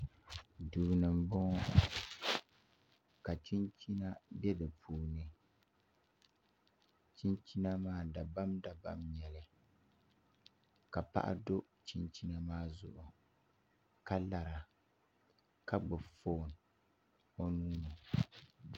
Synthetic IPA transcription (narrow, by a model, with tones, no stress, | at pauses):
duː˨nɨ˨m˨˦bɔ˦˨ | ka˨t͡ʃi˦nt͡ʃi˦na˦bɛ˦dɨ˨pʰuː˨nɨ˦ | t͡ʃi˦nt͡ʃi˦na˦maː˦da˨ba˦mda˨ba˦mɲɛ˨lɨ˦ | ka˨pa̰˦ʔa̰˦do˦ | t͡ʃi˦nt͡ʃi˦na˦maː˦zʊ̰˨ʔʊ˨ | ka˦la˨ɾa˨ | ka˦ɡ͡bɨ˨bfo˦˨n | o˦nuː˦nɨ˨